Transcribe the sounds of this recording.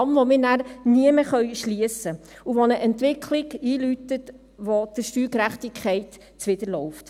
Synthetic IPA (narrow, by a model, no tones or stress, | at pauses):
mʋomɪːɾnæːɾniəməχœʏʃliəsə | uʋonəʔɛntʋɪkʰlɪɡiːlytət | ʋod̥əʃtyːkɾæχtɪkʰχɛɪt | t͡sʋɪdəɾlɔʊft